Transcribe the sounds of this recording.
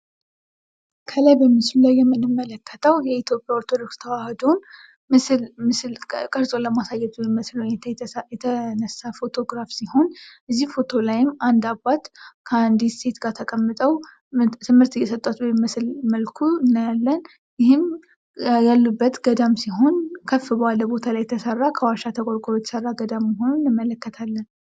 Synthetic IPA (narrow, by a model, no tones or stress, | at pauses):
kʰəlajbəmːɨslulajːɛmːɨnɨmːələkːət̪ʰəwjɛit̪ʰjo̞pʼjaɔɾt̪ʰo̞d̪o̞ɾkst̪ʰəwahəd̪o̞n | mɨslmɨslkʼəɾzʼoləmasajːɛt̪nməslwɛɛənəsafo̞t̪ʰo̞ɡɾafsiho̞nʔɨzːihfo̞t̪ʰo̞lajɪmːand̪abːat̪kʰəand̪ist̪ʰe̞t̪ɡat̪ʰəkʼəmːɨt̪ʼəw | t̪ʰɨmːɨɾt̪jɛsət̪ʼːot̪bəmɨsɨlməlkʰuɨnːajalːən | jɪhɨm | jalːubːət̪ɡəd̪amsiɦo̞nkʰəfːɨbəwaləbo̞t̪ʰalajːɛt̪ʰəsərːakʰəwaʃat̪ʰəkʼoɾkʼlojɛt̪ʰə̥sərːaɡəd̪amːəɦo̞nunːɨmːələkːət̪ʰalːən